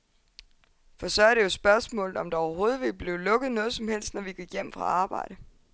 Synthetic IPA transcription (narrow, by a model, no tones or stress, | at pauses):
fɒ̽sɒ̽æɐɾ̥e̝jo̝sb̥ɶɐsmɔ̰ːlð̩ˠɒ̽md̥ɑ̈ɒʊɐɦo̝ːð̞̩ˠʋelb̥le̝ʊlɔ̽ɡ̥əð̞̩ˠnɔ̽ːð̞̩ˠsɒ̽mhel̰sd̥nɒʋiɡ̥iɡ̥jem̰fʁɑ̈ɑ̈ːb̥ɑ̈ɪ̰ɾ̥ə